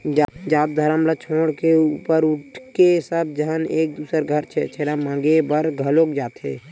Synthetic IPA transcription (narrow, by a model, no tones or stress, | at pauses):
d͡ʒd͡ʒaːt̪̚d̪ʱəɾəmlət͡ʃʰoːɽkeuːpəɾʊʈʰkesəbd͡ʒəɦəneːk̚d̪uːsəɾɡʱəɾt͡ʃʰɛt͡ʃʰeɾamãːɡebəɾɡʱəloːkd͡ʒaːt̪ɦḛː